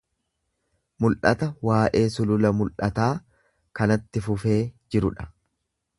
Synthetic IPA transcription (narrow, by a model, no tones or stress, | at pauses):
mʊlʔɐt̪ɐwaːʔe̞ːsʊlʊlɐmʊlʔɐt̪aː | kɐnɐt̪ːɪfʊfe̞ːd͡ʒɪɾʊᶑɐ̥